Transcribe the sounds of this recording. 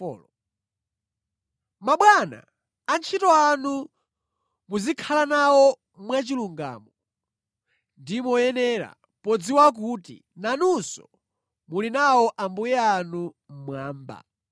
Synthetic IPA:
l | maɓwana̰ː | nt͡ʃʰitɔanu | muzikʰalanawɔ | mwat͡ʃiluŋɡa̰ːmɔ | ndimɔjɛnɛɾa̰ | pɔd͡ziwak̬utḭ | nanusɔ̰ | mulinawɔʔambujɛanu | m̩mwaːmba̰

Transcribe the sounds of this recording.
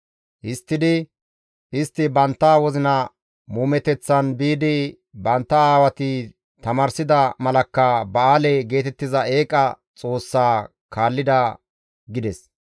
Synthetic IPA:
ʔɪst̪ːɪd̪ɪ | ʔɪst̪ːɪbɐnt̪ːaːwɔzɪnɐ | muːmɛt̪ɛt͡sːɐnbiːd̪ɪ | bɐnt̪ːɐaːwɐt̪ɪ | t̪ɐmaːɾsɪd̪ɐmɐlɐkːɐbɐaːlɛɡe̞ːt̪ɛt̪ːɪzɐe̞ːkʼɐ | t͡sʼo̞ːsːaː | kʰaːlːɪd̪ɐ | ɡɪd̪ɛs

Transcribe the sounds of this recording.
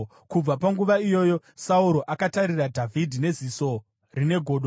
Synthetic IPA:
kub͡vapaŋɡuʋaijo̞ːjo̞sauɾo̞ʔakataɾiradʱavʱidʱine̞ziso̞ | rine̞ɡʱo̞ːɗo

